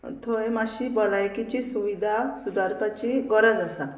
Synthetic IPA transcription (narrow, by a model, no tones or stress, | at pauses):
t̪ʰojmaɕibɔlajkit͡ɕisuʋid̪ʱasud̪aɾpat͡ɕiɡɔɾəd͡zasa